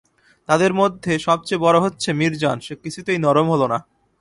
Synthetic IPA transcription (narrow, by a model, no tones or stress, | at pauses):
t̪ad̪eɾmod̪ʱːeʃɔb̚t͡ɕejbɔɾoɦotːɕʰemiɾd͡ʑanʃekit͡ɕʰut̪ejnɔɾomɦolona